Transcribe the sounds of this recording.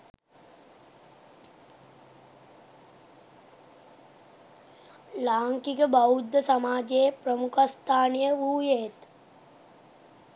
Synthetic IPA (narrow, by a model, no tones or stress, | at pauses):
laːŋkikəbɐud̪jəsɐmaːd͡ʒeːpɾəmukʰəst̪ʰaːnijəʋuːjeːt̪